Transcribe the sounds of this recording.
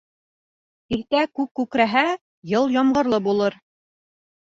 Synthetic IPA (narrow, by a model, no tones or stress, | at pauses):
iɾt̪ækʉkːʉkɾæɦæ | jɤlˠjɑmʁɤ̆ɾlˠɤbulˠɤɾ